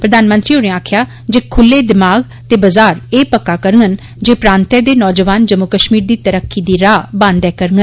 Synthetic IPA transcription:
pɾəd̪aːnmə̃nt̪ɾiːonẽaːkʰjaː | d͡ʒeːkʰʊlːeːd̪ɪmaːɡ | t̪eːbəzaːɾeːpəkːaːkəɾŋɡən | d͡ʒeːpɾãːnt̪ɛːd̪eːnɔːd͡ʒəʋaːnd͡ʒəmːʊkəʃmiːɾd̪iːt̪əɾəkʰːiːd̪iːɾaːbə̃nd̪ɛːkəɾŋɡən

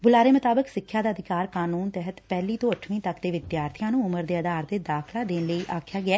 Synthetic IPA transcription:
bʊlaːɾeːmət̪aːbəksɪkʰːjaːd̪aːəd̪ʱɪkaːɾkaːnuːnt̪ɛɦət̪pɛːliːt̪õːəʈʰʋĩːt̪əkd̪eːʋɪd̪jaːɾt̪ʰɪjãːnũːʊməɾd̪eːəd̪aːɾd̪eːd̪aːkʰlaːd̪eːnləiːʔaːkʰjaːɡɪɛː

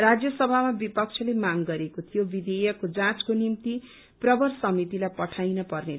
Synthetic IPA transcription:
rad͡zjʌsʌbʱamabipʌk̚t͡sʰʌlemaŋɡʌɾekot̪ʰijobid̪ejʌkod͡zãt͡skonimt̪i | prʌbʌrsʌmit̪ilajpʌʈʰajnʌpʌrne

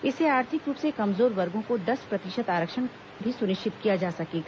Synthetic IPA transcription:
ɪseaːɾt̪ʰɪkɾuːpsekɐmzoːɾʋɐɾɡʱõkod̪ɐspɾɐt̪ɪʃət̪aːɾəkʃən | bʱisʊnɪʃt͡ʃɪt̪kijad͡ʒaːsɐkeːɡ

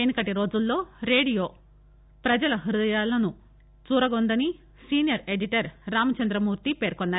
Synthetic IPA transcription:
enikɐʈiɾo̞ːd͡ʒulːo̞ːɾe̞ːɽijo̞ː | pɾɐd͡ʒɐlɐɦiɾud̪ɐjaːlɐnu | t͡ʃuːɾɐɡond̪ɐni | siːnjɐɾe̞ɖiʈɐɾːaːmɐt͡ʃɐnd̪ɾɐmuːɾt̪ipeːɾkɔnːaː

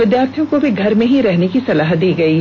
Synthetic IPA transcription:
ʋɪd̪jaːɾt̪ʰijõkobʱiɡʱɐɾmẽɦiɾɛɦnekisɐlaːɦ̪d̪iːɡɐiː

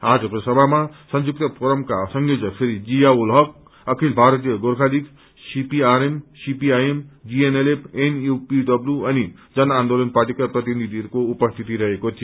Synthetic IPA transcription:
ad͡zʌkosʌbʱamasʌnd͡zuk̚t̪ʌpʰoɾʌmkasʌŋɡod͡zʌpʰeɾid͡zijaulɦʌk | ʌkʰilbʱaɾʌt̪ijʌɡoɾkʰalik | sipiaɾemsipiajemd͡zienelepʰenjupiɖʌbljuʌni | d͡zʌnand̪olʌnparʈ̬ikaprʌt̪inid̪ʱiʌɾukoupʌst̪ʰit̪iɾʌɦekot̪ʰij

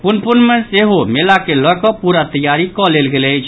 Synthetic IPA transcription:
punpunmẽseɦomelakelɔkɔpuɾat̪əjaɾikɔleːlɡelɛjt͡ʃʰ

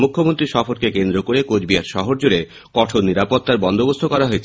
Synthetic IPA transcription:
mukʰːomont̪ɾiʃɔfoɾkekend̪ɾokoɾekod͡ʑbiaɾʃɔɦoɾd͡ʑuɽe | kɔʈʰoɾniɾapot̪ːaɾbɔnd̪obost̪ʰokɔɾaɦoet͡ɕʰ

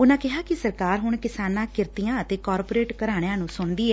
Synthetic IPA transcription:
ʊnãːkɪɦaːkɪsəɾkaːɾɦʊɳkɪsaːnãːkɪɾt̪ijãːət̪eːkɔːɾpoːɾeːʈkəɾaːɽ̃ejãːnũːsʊɳd̪iːɛː

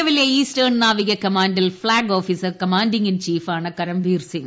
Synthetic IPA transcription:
ɐʋɪljɐiːsʈɐɾɳnaːʋɪɣɐkɐmaːɳɖɪlflaːɡoːfisɐɾkɐmaːɳɖɪŋɪnt͡ʃiːfaːnɐkɐɾɐmʋiːɾsɪn

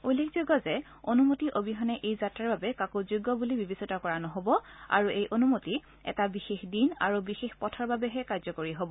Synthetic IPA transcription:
ojlːekʰzoɡɔzɛ | onumotiʔobiɦɔnɛʔejzatɹaɹbabɛkakozoɡːɔbulibibesɔtakɔɹanɔɦobɔa̰ɹuʔejʔonumoti | ɛ̰tabixexdina̰ɹubixexpɔtʰɔɹbabɛɦɛkaɹzɔkoɹiɦobɔ

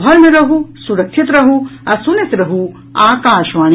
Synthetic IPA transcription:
ɦɐɾmiɾɐɦusuɾɐkʃʰit̪ɾɐɦuɐsunesɾɐɦu | aːkaːʃʋaːn

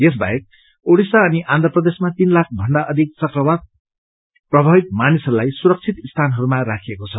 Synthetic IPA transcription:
jes̬bʱa̰ek̚ | oɽisaʌniʔãnd̪ʱrʌprʌd̪esmat̪inlak̚ʰbʱʌɳɖaʔʌd̪ʱik̚t͡sʌkrʌwad̪̚ | prʌbʱabik̪̚manisʌɾulajsuɾʌk̚t͡sʰit̪ist̪ʰanɦʌɾumarakʰijekot͡sʰʌ

